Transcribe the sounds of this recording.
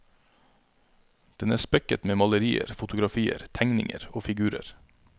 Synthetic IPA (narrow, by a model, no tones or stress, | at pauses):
d̪̥ɛnæːspɛkət̪meːmɑləɾiːə̰ɾfʊt̪ʊɡɾɑfiːə̰ɾt̪ʰæŋnɪ̰ŋə̰ɾoːfɪɡʉːɾə̰ɾ